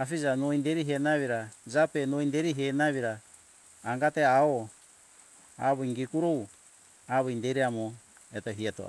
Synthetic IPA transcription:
afid͡ʒanoinde̞ɾiɦenaβiɾad͡ʒape̞noindeɾiɦenaβiɾaː | ŋɡateao | a̰βoiŋɡikuɾow | aβojndeɾiamo | etoɦietoa̰

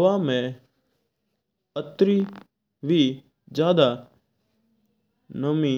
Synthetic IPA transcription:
ʋamẽ | ət̪ɾiː | ʋiː | d͡ʒjaːd̪a | nəmĩː

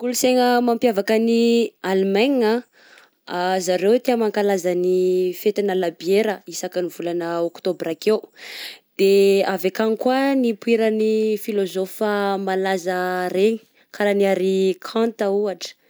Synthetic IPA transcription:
kuluseŋəmampjavakənialmaɲia | azaɾewt̪emaŋkalazanifet̪inəlabieɾəisakənivulanəokt̪obɾakewd̪̥eavakanikuanipuiɾənifilozofəmalazəɾeɲi̥ | kʰaɾaniaɾikʰãnt̪auaʈ͡ʂə̥

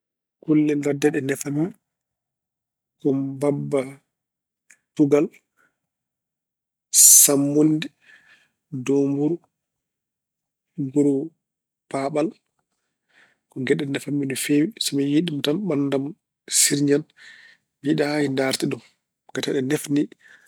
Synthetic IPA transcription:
kulːɛndadɛɗɛnɛfami | kɔmbabːa | tuɡal | samːundi | dombuɾu | ɡuɾu | paɓal | kɔɡɛɗːɛnɛfamːindɔfewisɛmɛjiɗimɔtanɓanːdam | siɾɲan | biɗajindaɾtiɗum | ɡ̥ataɗɛnɛfni

